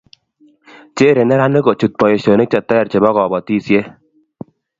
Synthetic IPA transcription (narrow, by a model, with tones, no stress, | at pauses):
t͡ʃe˦ɾe˨nɛ˦ɾa˦ne˦kɔ˨t͡ʃu˨t̪̚pɔ˨je˨ʃo˨ne˦k̚t͡ʃa˨t̪ːɛ˦ja˨ɾt͡ʃe˨bɔ˦kɔ˨bɔ˨tiː˦˨sje˦